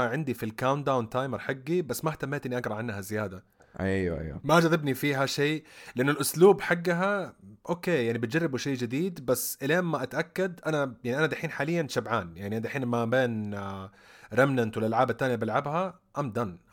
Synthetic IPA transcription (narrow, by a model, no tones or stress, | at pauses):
ʕɪnd̪ifilkawnd̪awnt̪aːjmɪɾˤħaɡːibasːmaht̪amːeːt̪ʔɪnːiʔɑɡɾˤɑʕanːhazɪjaːd̪a | ʔajwa̰ʔa̰jwa̰mad͡ʒɑðˤɪbnifiːɦaʃeːlɪʔɪnːʊlʔʊsluːbħaɡːaɦaʔoːkeːjaʕnibɪt̪̚d͡ʒɑrˤːɪbuʃeːd͡ʒɪd̪iːd̪basːʔɪleːmmːaʔat̪ʔakːad̪ʔanajaʕniʔanad̪aħiːnħaːlɪjːanʃabʕaːnjaʕniʔand̪aħiːnmabeːn | ɾˤɪmnant̪wɪlʔalʕaːbat̪ːaːnjabɪlʕabha | ʔamd̪anː